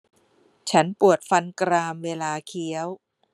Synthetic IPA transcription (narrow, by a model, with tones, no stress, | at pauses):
t͡ɕʰa˦˥npu˨˩ət̪̚fa˧nkɾaː˧mweː˧laː˧kʰi˦˥əw